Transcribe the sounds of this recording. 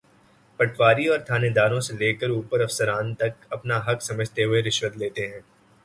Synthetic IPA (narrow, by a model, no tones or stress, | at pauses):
pɐʈʰʋaːɾiɔːɾt̪ʰaːned̪aːɾõseleːkəɾuːpəɾɐfsəɾaːnt̪ɐkɐpnaɦɐksɐməd͡ʒʱt̪eɦʊeɾɪʃwət̪leːt̪eɦɛ̃ː